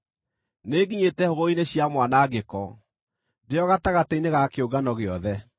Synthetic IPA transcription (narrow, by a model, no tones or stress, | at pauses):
neɡiɲetɛhoɣɔineɕjamwanaːɡekɔ | deɔɣataɣateineɣakeoɡanɔɣeɔðɛ